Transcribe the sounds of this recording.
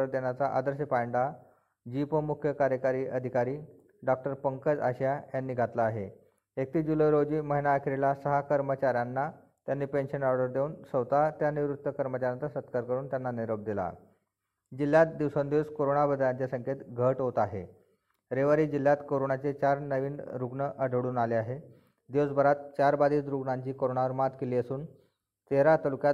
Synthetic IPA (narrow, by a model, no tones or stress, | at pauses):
əɾd̪enjat͡saʔa̰d̪əɾs̬ipaɳɖa | d͡ʑipəmukʰjəkaɾjəkaɾiːʔəd̪ʱikaɾiː | ɖɔk̚ʈəɾpəŋkəd͡zaɕajanːiːɡʱat̪laːɦe | ek̚t̪iːd͡ʑuləjɾod͡ʑiːməɦinaːkʰiɾelasəɦakəɾmət͡ɕaɾjanːa | t̪janːiːpenɕənɔɾɖəɾd̪euːnsəʋt̪at̪janiʋɾut̪ːəkəɾmət͡ɕaɾjat͡sasət̪kaɾkəɾuːnt̪janːaniɾob̚d̪ila̰ | d͡ʑilːjat̪̚d̪iʋsond̪iʋskoɾoɳabəd̪ʱljaɲt͡ɕjasəŋkʰet̪ɡʱəʈɦot̪aɦḛ | ɾeʋaɾiːd͡ʑilːjat̪koɾoɳat͡set͡ɕaɾnəʋiːnɾuɡɳəʔəɖʱɽuːnaleaɦe | d̪iʋsbʱəɾat̪̚t͡ɕaɾbad̪ʱiːt̪ɾuɡɳaɲt͡ɕiːkoɾoɳaʋəɾmat̪keliːəsuːn | t̪eɾat̪əlukja